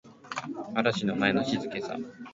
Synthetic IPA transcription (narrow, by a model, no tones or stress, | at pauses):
aɾaɕinomaeno̞ɕizɨke̞sa̰